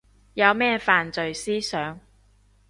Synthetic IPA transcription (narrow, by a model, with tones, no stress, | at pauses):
jɐ˨˧wmɛː˥faː˨nt͡sɵ˨ɥsiː˥sœː˨˥ŋ